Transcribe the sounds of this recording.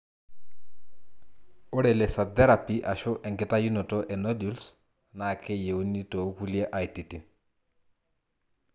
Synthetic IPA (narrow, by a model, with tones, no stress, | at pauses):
ɔ˦ɾɛ˨lɛ˨sa˨d̪ɛ˦ɾa˨piʔa˨ʃʊ˦ʔɛ˨ŋɡɪ˨ta˦ju˦nɔ˨tɔʔɛ˨no˦djuls | na˨kʰɛ˦je˨ni˦to˨˦ku˦lja˦ʔa˨jti˨ti˨